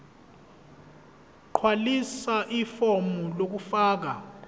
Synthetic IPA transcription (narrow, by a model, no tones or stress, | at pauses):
ǃʰwalisaʔifɔmɔlok̬ufaːk̬a